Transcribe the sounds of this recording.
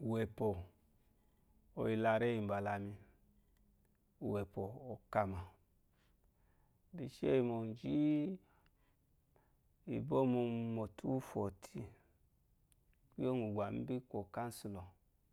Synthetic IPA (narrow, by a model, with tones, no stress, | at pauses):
u˨we˨po˨ | o̰˨ji˧la˧ɾe˦i˨m˨ba˨la˨mi˧ | u˨we˨po˨o˨ka˧ma˨ | di˨ʃe˦i˨mo˨n˨d͡ʒi˦ | i˨bo˦mu˧mo˨tʰu˦fo˨tʰi˦ | ki˦o˦ŋu˨ɡʷa˨mi˦bi˦kʷo˨ka˦n˦su˨lo˨